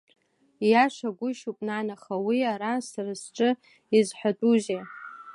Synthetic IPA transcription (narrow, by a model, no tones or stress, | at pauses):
jaʂʷaɡʷʊʃupʼnanaχawiaɾansarɨsʈ͡ʂʷʼɨ | izħʷᶣatʼuʒe